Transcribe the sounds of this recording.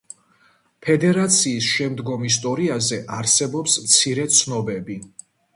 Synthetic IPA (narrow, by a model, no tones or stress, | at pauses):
pʰɛd̪ɛɾat̪sʰiːsʃɛmd̪ɡɔmis̬t̪ʼɔɾiazɛʔaɾsɛbɔpsmt̪sʰiɾɛt̪sʰnɔbɛbi